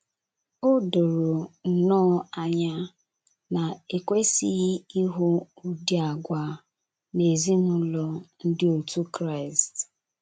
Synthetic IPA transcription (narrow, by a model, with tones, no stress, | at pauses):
o˦do˨ɾo˨n̩˨nɔː˦a˨ɲa˦ | na˨e˨kʷe˦si˦i˦ɦʊ˦u˦di˦a˨ɡʷa˨ | ne˨zi˦mʊ˦lɔ˦n̩˦dɪ˦o˨tu˦kɾa˦ɪ˨st